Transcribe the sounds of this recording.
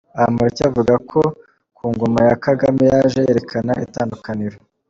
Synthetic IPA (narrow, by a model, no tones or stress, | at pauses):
ahamaɾicavuɡakʰo̞ | kuːŋɡo̞majakaɡamijaʒeje̞ɾe̞kʰanaʔḭtaːndukaniɾo